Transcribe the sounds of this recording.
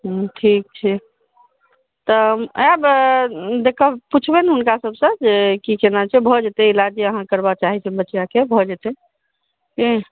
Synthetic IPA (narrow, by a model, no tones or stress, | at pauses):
ʈʰik̚t͡ʃʰɛ | t̪ɔab | d̪ekʰəput͡ʃʰbenɦunkasəbsə̃d͡ʒekikenat͡ʃʰɛbʱɔd͡ʒet̪ɛilad͡ʒiəɦãkəɾbat͡ʃaɦit͡ʃʰɛ̃bətːjakebʱɔd͡ʒet̪ɛ | ki